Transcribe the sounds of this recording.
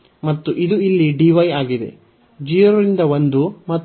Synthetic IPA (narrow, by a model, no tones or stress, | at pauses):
mɐt̪ːuʔid̪uilːiɖiʋɐjaːɡid̪e̞̰ | d͡ʒiːɐɾɐɾind̪ɐond̪umɐt̪ː